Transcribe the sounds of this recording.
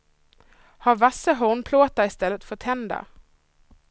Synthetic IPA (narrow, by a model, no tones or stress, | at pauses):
haɾvasːəɦɔɳpʰloːt̪aɪst̪ɛlːət̪fɔt̪ʰhɛnd̪a̰